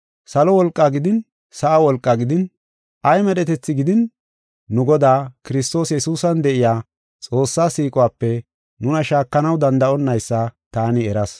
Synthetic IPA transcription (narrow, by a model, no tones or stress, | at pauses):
sɐlɔwɔlkʼːaɡɪd̪ɪn | sɐʔawɔlkʼːaɡɪd̪ɪn | ʔɐjmɛɗɛt̪ɛt͡sːɪɡɪd̪ɪnː | ʊɡɔd̪aːkɪɾɪs̬t̪o̞ːsjɛsuːsɐnd̪ɛʔɪjaː | t͡sʼo̞ːsːaːsiːkʼɔwaːpːɛ | nʊnɐʃaːkːɐnɐwd̪ɐnd̪ɐʔɔnːɐjsːɐt̪aːnɪɛɾɐs